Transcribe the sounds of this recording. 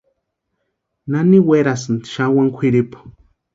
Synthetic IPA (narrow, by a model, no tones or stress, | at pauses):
naniweɾasɨnd̪iʃawaŋkʷʰiɾipo̥